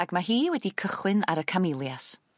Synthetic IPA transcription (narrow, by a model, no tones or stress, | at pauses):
aɡ̥maɦiːwɛdikʰəχwɨna̰ɾəkʰamɪlˠjas